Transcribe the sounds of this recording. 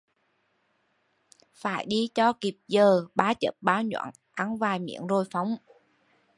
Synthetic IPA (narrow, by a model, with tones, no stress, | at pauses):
faː˧˩jɗi˧t͡ɕɔ˧ki˨˩p̚zəː˨˩ɓaː˨˦t͡ɕə̰˨˩p̚ɓaː˨˦wɲwa̰ː˧˨n | ʔa˨˦nvaː˨˩jmḭ˧˥ənzo˧jfa˨˦wŋ͡m